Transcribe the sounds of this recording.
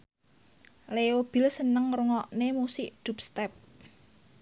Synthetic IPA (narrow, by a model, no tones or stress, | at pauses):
leob̥ɪ̤lsənəŋɾuŋɔʔnemusɪʔd̪̥ṳpst̪ɛp̚